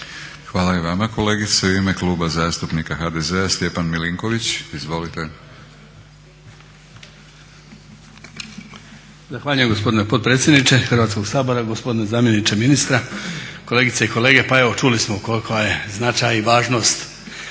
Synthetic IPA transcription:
xʋaːlaiʋamako̞le̞ːɡit̪seuimekluːbazaːst̪upnikaxad̪ezeast̪je̞panmiliŋko̞ʋit͡ɕizʋo̞lit̪e̞ | zaxʋaːʎujemɡo̞spo̞d̪ine̞po̞d̪̚pɾet̪sjed̪nit͡ʃe̞xr̩ʋaːt̪sko̞ɡsaːbo̞ɾaɡo̞spo̞d̪inezaːmje̞nit͡ʃeminist̪ɾako̞le̞ːɡit̪eiko̞le̞ːɡe̞pae̞ʋo̞t͡ʃulismoukolikoajeznat͡ʃajiʋaːʒno̞ːst̪

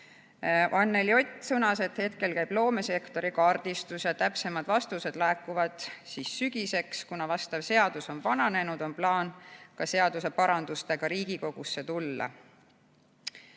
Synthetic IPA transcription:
ɑnːe̞lio̞t̪ʲːˑsɤnɑse̞t̪he̞t̪ke̞lkæjb̥lo̞ːme̞se̞kt̪o̞ɾikɑrd̪̥ist̪usjɑt̪æpse̞mɑd̪̥vɑst̪use̞d̪̥læːkːˑuvɑd̪̥siːsːyɡ̥ise̞kskunɑvɑst̪ɑvse̞ɑd̪̥uso̞nvɑnɑne̞nud̪̥o̞nplɑːnkɑse̞ɑd̪use̞pɑɾɑnd̪̥ust̪e̞ɡ̥ɑɾiːɡ̥iko̞ɡ̥usːe̞t̪ulːɑ̰

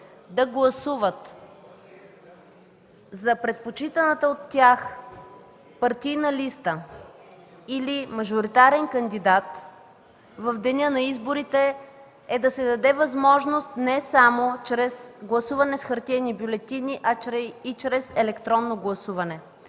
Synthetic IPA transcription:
d̪ɐɡlˠɐsuvət̪ | zɐpɾɛt̪̚pot͡ʃit̪ənət̪əot̪ːʲjax | pɐɾt̪ijnɐlist̪ə | ilimɐʒoɾit̪aɾɛnkɐnd̪id̪at̪ | vɐfd̪ɛnʲənɐizboɾit̪ɛ | ɛd̪ɐsɛd̪ɐd̪ɛvɐzmɔʒnost̪nɛsamot͡ʃɾɛsɡlˠɐsuvɐnɛsxɐɾt̪ʲɛnibʲjulɛt̪iniʔɐit͡ʃɾɛzɛlɛkt̪ɾɔnːoɡlˠɐsuvɐnɛ

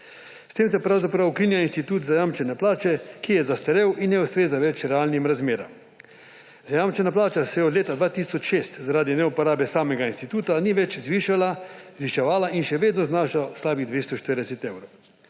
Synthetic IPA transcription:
st̪eːmsɛpɾawzapɾawkinjainst̪it̪uːt̪zajamt͡ʃɛnɛplaːt͡ʃɛkijɛzast̪ɛɾɛwinnɛust̪ɾeːzaʋɛt͡ʃɾɛaːlnimɾazmeːɾa̰m | z̥ajamt͡ʃɛnaplaːt͡ʃasɛjɛɔd̪leːt̪ad̪ʋaːt̪iːsɔt͡ʃʃeːst̪zaɾaːd̪inɛupɔɾaːbɛsaːmɛɡainst̪it̪uːt̪aniʋɛt͡ʃzʋiʃalazʋiʃɛʋaːlaʔinʃɛʋeːd̪nɔznaːʃauslaːbid̪ʋeːst̪ɔʃt̪əɾd̪ɛsɛt̪ewɾow

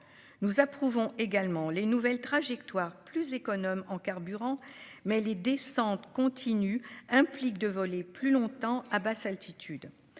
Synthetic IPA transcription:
nuzapχuvɔ̃ʔeɡalmɑ̃lenuvɛlt̪χaʒɛk̚t̪waʁplyzekɔnɔmɑ̃kaʁbyʁɑ̃mɛled̪esɑ̃t̪kɔ̃t̪ʰinyɛ̃plik̚d̪əvɔleplylɔ̃t̪ɑ̃abasalt̪ʰit̪ʰyd̪

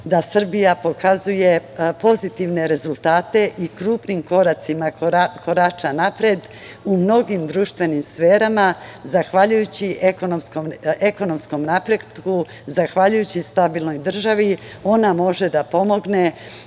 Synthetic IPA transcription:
d̪asr̩bijapo̞kʰazuje̞po̞zit̪iʋne̞ɾe̞zulˠt̪aːt̪e̞ʔikɾuːpnimko̞ɾat̪simako̞ɾat͡ʃanapɾed̪ | umno̞ɡimd̪ɾuːʃt̪ʋe̞nimsfeːɾamazaxʋaʎujut͡ɕiʔeko̞no̞mskomeko̞no̞msko̞mnapɾet̪ku | zaxʋaʎujut͡ɕist̪abilˠno̞jd̪r̩ʒaʋi | o̞namo̞ʒe̞d̪apo̞mo̞ɡne̞

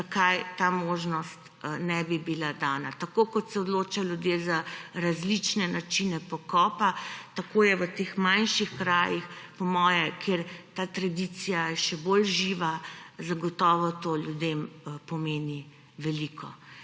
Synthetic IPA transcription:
akajt̪amoʒnɔst̪ | nɛbibilad̪aːnat̪akokɔt̪sɛɔd̪loːt͡ʃajljud̪jezaɾazlit͡ʃnɛnat͡ʃinɛpɔkɔpat̪akoːjɛʋət̪exmanʃixkɾaːjixpɔmɔːjɛkʰeɾt̪aːt̪ɾad̪it̪sijajɛʃɛbolʒiʋazaɡɔt̪ɔːʋɔt̪oːlʲjud̪empɔmeːni | ʋɛlikʰɔ

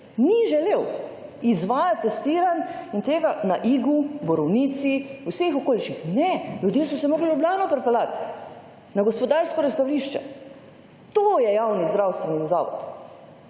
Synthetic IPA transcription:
niʒɛlewizʋaːjat̪ːɛst̪iːɾanint̪eːɡanaʔiːɡubɔɾɔwniːt̪siusexokoːliʃixnɛlʲjud̪jeːsɔsɛmoːɡlilubljaːnɔpɾpɛlat̪ | naɡɔspɔd̪aːɾskɔɾɛst̪awliʃt͡ʃɛ̰ | t̪oːjɛjawnizd̪ɾawst̪ʋɛniza̰ːʋɔ̰t̪

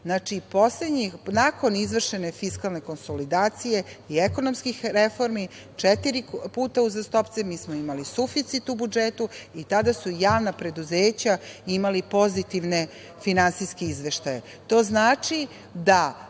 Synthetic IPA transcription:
znaːt͡ʃipo̞sle̞d̪ɲixnako̞nizʋr̩ʃe̞ne̞fiskalˠne̞ko̞nsolid̪aːt̪sije̞ieko̞nomskixɾefo̞ɾmi | t͡ʂet̪iɾipuːt̪auzast̪o̞pt̪semiːsmoimalisufit̪sit̪ubud͡ʒeːt̪uit̪ad̪asujaːʋnapɾe̞d̪uzeːt͡ɕaimalipo̞zit̪iʋne̞ | finansijskeizʋe̞ʃt̪aje̞ | t̪o̞ːznaːt͡ʂi | d̪a

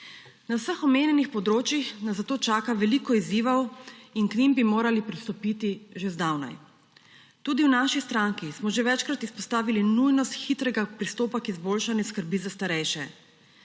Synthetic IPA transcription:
nawsəxɔmeːnjɛnixpɔd̪ɾoːt͡ʃjixnaszat̪oːt͡ʃaːkaʋɛlikɔiziːʋɐwinknimbimoːɾalipɾist̪ɔpit̪iʒezd̪awna̰j | t̪uːd̪iwnaːʃist̪ɾaŋkismɔʒeʋɛt͡ʃkɾat̪ispɔst̪aːʋilinujnɔst̪xit̪ɾɛɡapɾist̪oːpakizboːlʃanjɛskəɾbiːzast̪aɾɛjʃɛ

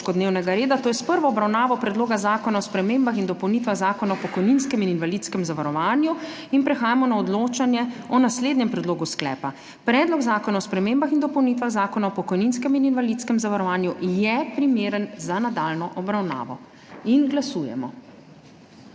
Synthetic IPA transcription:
kɔd̪neːwnɛɡaɾeːd̪at̪oːjɛspəɾʋɔɔbɾawnaːʋɔpɾɛd̪loːɡazaːkɔnaɔspɾɛmeːmbaxind̪ɔpɔwnit̪ʋaɣzaːkɔnaɔpɔkɔjninskɛmininʋalit̪skɛmzaʋaɾɔʋaːnju | inpɾɛxaːjamɔnaɔd̪loːt͡ʃanjɛɔnasleːd̪njɛmpɾɛd̪loːɡusklɛ̰ːpa | pɾɛːd̪lɔɡzaːkɔnaɔspɾɛmeːmbaxind̪ɔpɔwnit̪ʋaɣzaːkɔnaɔpɔkɔjninskɛmininʋalit̪skɛmzaʋaɾɔʋaːnjujɛpɾimeːɾənzanad̪aːlnɔʔɔbɾawna̰ːʋɔ̰ | inɡlasuːjɛ̰mɔ̰

